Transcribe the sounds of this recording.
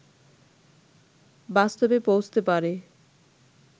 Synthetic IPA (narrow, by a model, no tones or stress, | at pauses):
bast̪obepowd͡ʑʰt̪epaɾe